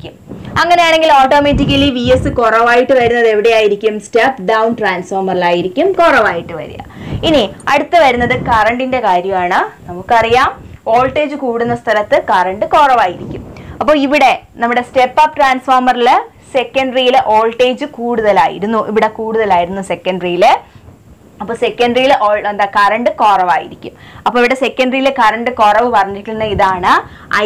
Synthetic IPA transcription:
kʲːumɐŋːɐne̞jaːɳe̞ŋɡiloːʈːo̞ːmeːtːik̬ʲːɐliʋijesɨkorɐʋaːjiʈːɨʋɐɾunːɐðeʋiɽe̞jaːjiɾikʲːumstepɖɐwnʈraːnsfoːrmɐrilaːjiɾikʲːumkorɐʋaːjiʈːɨʋɐ̰ɾṵja̰iniɐɽut̪ːɨʋɐɾunːɐðɨkɐrɐɳɖinde̞kaːɾjɐmaːɳɨnɐmukːɨɐrijaːmo̞ːlʈːe̞ːd͡ʑɨkuːɽunːɐst̪ʰɐlɐt̪ːɨkɐrɐɳɖɨkorɐʋaːjiɾikʲːumɐpːo̞ːiʋiɽe̞nɐmːuɽe̞sʈe̞pːapʈraːnsfo̞ːrmɐril | se̞kːɐɳɖrijilʔo̞ːɭʈe̞ːd͡ʑɨkuːɽuðɐlaːjḭɾunːuʔiʋiɽe̞kuːɽuðɐlaːjiɾunːuse̞kːɐɳɖrijil | ɐpːoːse̞kːɐɳɖrijilʔoːend̪aːkɐrɐɳɖɨkoːrɐʋaːjiɾikʲːumɐpːoiʋiɽe̞sekːɐɳɖrijilekɐɾɐɳɖɨkorɐʋɨpɐrɐɲːiʈːunːɨiðaːɳɨ | ɐ̰

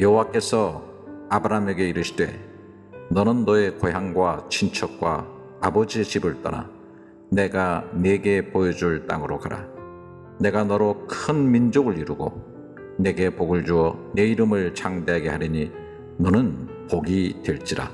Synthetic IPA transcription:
jʌɦowak͈e̞sʰʌ | abɯɾaɦame̞ɡe̞iɾɯɕʰidwe̞ | nʌnɯnːʌe̞kojaŋɡwat͡ɕʰint͡ɕʰʌk̚k͈wa̰ | abʌd͡ʑiet͡ɕibɯɭt͈ʌ̰na̰ | ne̞ɡane̞ɡe̞pojʌd͡ʑuɭt͈a̰ŋɯɾokaɾa̰ | ne̞ɡanʌɾokʰɯnmind͡ʑoɡɯɭiɾuɡo̰ | ne̞ɡe̞poɡɯɭd͡ʑuʌne̞iɾɯmɯɭt͡ɕaŋdeɦaɡe̞ɦaɾiɲi | nʌnɯn | poɡitwe̞ɭt͡ɕ͈iɾa̰

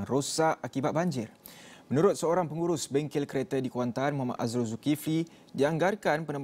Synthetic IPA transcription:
ŋrosaʔakibat̪̚baɲd͡ʒɪrmə̃nuɾʊt̪̚səoɾaŋpəŋuɾʊsbɛŋkɪlkəɾet̪adikuant̪anmoɦama̰ʔ̪azɾuzukifli | diaŋɡarkanpənə̃mb

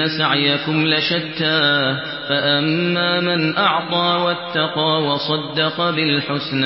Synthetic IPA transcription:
asaʕjakʊmlaʃat̪ːaː | faʔamːaːmanʔɑʕt̪ˤɑːwat̪ːɑqɑːwɑsˤɑd̪ːɑqɑbɪlħʊsn

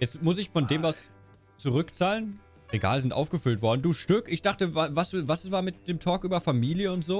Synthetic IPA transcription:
jɛt͡stmʊs̬ɪçfɔndeːmvas | t͡suʁʏkt͡saːlən | ʁeɡa̰ːlzɪntʔa̰ʊfɡ̥əfʏltv̥ɔɐdn̩duːʃtʏkɪçd̥aχtəvavasvassv̥aːɐmɪtd̥eːmtʰɔːkʔyːbɐfamiːljəʊntz̥oː

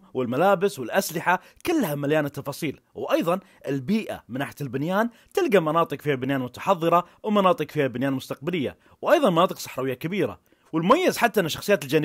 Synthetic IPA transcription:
wɪlmalaːbɪswɪlʔaslɪħa | kɪlːhamaljaːnɪt̪ːɑfɑːsˤiːl | wʔɑjðˤɑn | ʔɪlbiːʔa̰mɪnaːħjaɪlbɪnjaːn | t̪ɪlɡamɑnɑːt̪ˤɨqfiːhabɪnjaːnmʊt̪ḁħɑðˤːɨɾˤɑ | wmɑnɑːt̪ˤɨqfiːhabɪnjaːnmʊst̪ɑq̚balɪjːa̰ | wʔɑjðˤɑnmɑnɑːt̪ˤɨqsˤɑ̥ħɾˤɑːwɪjːakabiːɾa̰ | wɪlmʊmajːɪzħat̪ːaʔɪnːaʃːɑ̥xsˤɨjaːt̪ɪld͡ʒan

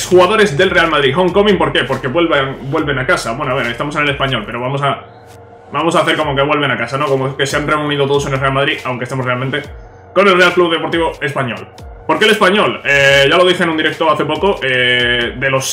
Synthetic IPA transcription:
sxuɣaðo̞ɾe̞zðe̞lre̞almaðɾixõ̞ŋko̞mĩmpo̞ɾke̞po̞ɾke̞βwe̞lβaŋbwelβe̞nakasaβwe̞noaβe̞ɾe̞st̪amo̞se̞nelespaɲo̞lpe̞ɾo̞βamo̞sa | bamosaːθeɾkomoke̞β̞we̞lβenakasanokomoke̞seanre̞uniðot̪oose̞nelrealmað̞ɾiawŋkest̪emorealmẽnt̪e̞ | ko̞ne̞lre̞alkluβðe̞po̞ɾt̪iβo̞e̞spaɲo̞̰l | po̞ɾkele̞spaɲo̞leʝalo̞ðiθenũnd̪iɾe̞k̚t̪oaθe̞pokoʔed̪e̞lo̞s

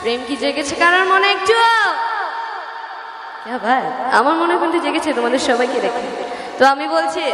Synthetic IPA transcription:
pɾemkid͡ʑeɡet͡ɕʰekaɾaɾmoneek̚d͡ʑuo | kabʱaja̰maɾmonekont̪ʰud͡ʑeɡet͡ɕʰet̪omad̪eɾʃɔbʱajked̪ekʰe | t̪oamibolt͡ɕʰi

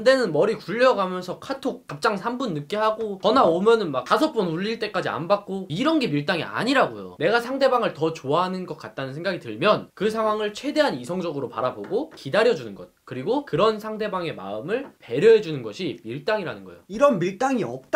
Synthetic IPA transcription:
nde̞nɯnmʌɾikuʎːʌɡamjʌnsʰʌkʰatʰok͈ap̚t͡ɕ͈aŋsʰambunːɯk͈iɦaɡokʌnaomjʌnɯnmak̚tasʰʌp͈unuʎːiɭt͈e̞k͈ad͡ʑia̰nbak̚k͈oiɾʌnɡe̞miɭt͈aŋḭa̰ɲiɾaɡo̰jo̰ne̞ɡasʰaŋde̞baŋɯɭtʌt͡ɕoaɦanɯnɡʌk͈at̚t͈anɯnsʰe̞ŋɡaɡitɯɭmjʌnkɯs̬ʰaŋwaŋɯɭt͡ɕʰwe̞de̞ɦanisʰʌŋd͡ʑʌɡɯɾopaɾaboɡokidaɾjʌd͡ʑunɯnɡʌ̰t̚kɯɾiɡokɯɾʌnsʰaŋde̞baŋe̞ma̰ɯmɯɭpe̞ɾjʌɦe̞d͡ʑunɯnɡʌɕʰimiɭt͈aŋiɾanɯnɡʌjoiɾʌnmiɭt͈aŋiʌp̚t͈

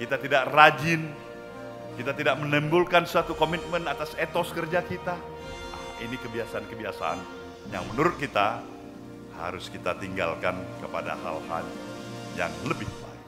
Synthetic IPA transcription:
kit̪at̪idaʔrad͡ʒɪn | kit̪at̪idak̚mənɛmbulkansat̪ukomit̪̚mənat̪aset̪ɔskərd͡ʒakit̪a | a̰ | inikəbiasaankəbiasa̰ʔa̰n | ja̰ŋmənuɾʊt̪̚kit̪a | ha̰ɾʊskit̪at̪iŋɡa̰lkankəpada̰ha̰lha̰lja̰ŋləbɪhba̰ɪk̚

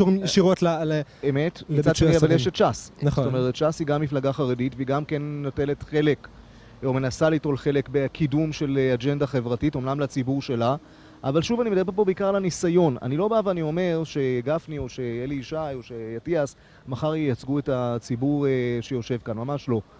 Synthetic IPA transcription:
ʃuʁimʃiʁotlaleme̞tit͡sad̪eiiavaljeʃetʃasnaχsttomeʁett͡ʃashiɡamːiflaɡaχaʁeditveiɡamkenːote̞le̞tχe̞le̞k | ome̞nasaliːto̞lχe̞le̞kbekʰidumʃe̞lead͡ʒe̞ndaχevʁatito̞mnamlat͡sibuʁʃe̞la | ʔavalʃuvanimed̪abebo̞beikaʁlanisajo̞na̰nilo̞bavaːnio̞me̞ʁʃe̞ɡafnio̞ʃe̞jeliːʃajo̞ʃejatias | maχaʁejat͡sɡuetat͡sibuʁeʃe̞jo̞ʃe̞vkanmamaʃlo̞

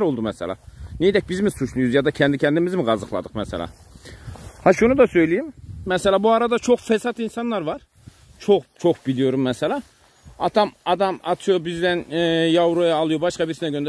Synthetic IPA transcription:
ɾo̞lˠd̪umɛsɛ̰lʲæ̰nejd̪ɛc̚bizmisuʃlˠujzjɑd̪ɑcʰænd̪icʰænd̪imizmiɡɑzɯχlˠɑ̰d̪ɯχmɛsɛ̰lʲæ̰ | hɑʃunud̪asø̞jlʲijimːɛsɛlʲæbuaɾad̪at͡ʃʰo̞χfɛsat̪insɑnlˠɑɾvɑɾ | t͡ʃʰoχt͡ʃʰo̞χbilʲijo̞ɾumːɛsɛlʲæ | ɑt̪ʰɑmɑd̪ɑmɑt̪ʰɯjobizd̪ænjavɾujaːlˠujobɑʃkɑbiɾsinɛɟønd̪æ

